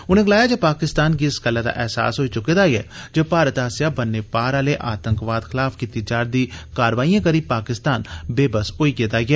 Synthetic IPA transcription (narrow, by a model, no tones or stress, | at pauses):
ʊnẽːɡəlaːjaːd͡ʒeːpaːkɪst̪aːnkiɪsɡəlːaːd̪a̰ːʔɛːsa̰ːsɦoːiːt͡ʃʊkːeːd̪aːɡɛ̰ːd͡ʒeːpaːɾət̪aːsjaːbənːeːpaːɾaːleːʔaːt̪əŋkʋaːd̪xʰɪlaːfkiːt̪iːd͡ʒaːɾd̪iːkaːɾʋaːiːãːkəɾiːpaːkɪst̪aːnbeːbəsoːiːkeːt̪aːɡɪɛː